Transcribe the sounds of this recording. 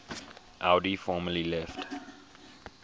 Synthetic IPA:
ʔaʊdifɔːməlilɛft

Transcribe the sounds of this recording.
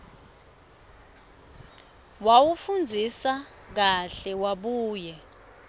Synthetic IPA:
wawufund͡zʱisa | k̬aɬɛwaɓuːjɛ

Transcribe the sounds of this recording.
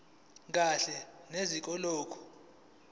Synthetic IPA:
k̬ʼaɬɛnezik̬ʼɔlɔːkʰɔ̥

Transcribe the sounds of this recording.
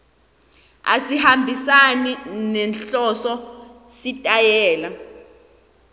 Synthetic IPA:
a̰sihambʱisaninɛnɬɔsɔsitʼajɛːla

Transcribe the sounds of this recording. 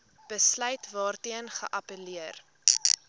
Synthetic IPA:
b̥əslœɥtvɑːrtiənχə̰ʔɐpəliər

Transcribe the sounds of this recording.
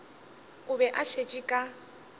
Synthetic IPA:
ʊbɛʔaʃet͡ʃʼikʼa

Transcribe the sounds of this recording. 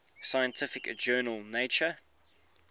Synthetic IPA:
saɪjə̃ntʰɪfɪkəd͡ʒɜːnəlˠneɪt͡ʃə

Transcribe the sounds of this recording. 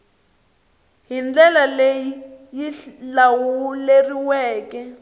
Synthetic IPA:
ɦind͡ɮɛlalejijilawuleriwɛːkɛ

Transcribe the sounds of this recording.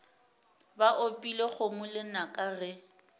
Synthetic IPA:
baʔopʼileχʊmʊlɪnakʼarɪ

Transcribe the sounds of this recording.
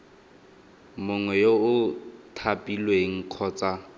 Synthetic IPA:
mʊŋwɛjoʊtʰapʼilweŋ̩kʰɔːt͡sa

